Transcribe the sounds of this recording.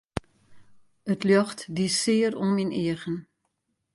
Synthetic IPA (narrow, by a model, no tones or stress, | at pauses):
ətljɔxtdisɪərominiəɣən